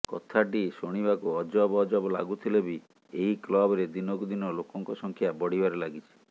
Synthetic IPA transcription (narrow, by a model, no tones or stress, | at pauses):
kɔ̰t̪ʰaʈisoɽ̃ibakuɔd͡ʒɔbɔːd͡ʒɔbɔla̰ɡut̪ʰilebi | eɦiklɔbɔɾed̪inɔkud̪inɔlokɔŋkɔsɔŋkʰjabɔɽ̤ibaɾelaɡit͡ʃʰi̥